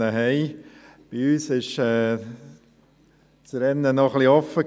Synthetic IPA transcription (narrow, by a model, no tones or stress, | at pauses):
əɦɛɪ | b̥iyːsɪʃɛː | t͡sɾɛnːənɔχliɔfə